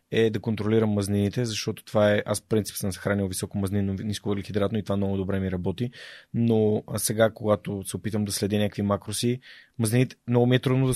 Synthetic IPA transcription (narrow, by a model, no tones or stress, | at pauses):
ɛd̪ɐkont̪ɾoliɾəmːɐzninit̪ɛzɐʃt̪ɔt̪o̥t̪vaɛʔasfpɾinsi̥psəmzɐxɾanilˠvisɔkomɐzninoniskovəɾlixid̪ɾat̪noit̪ovamnɔɡʊd̪obɾɛmiɾɐbɔt̪inosɛɡakoɡat̪osɛopit̪əmd̪ɐslɛd̪inʲakvimakɾosimɐzninit̪ɛ̥mnɔɡʊmiɛt̪ɾud̪nod̪ɐ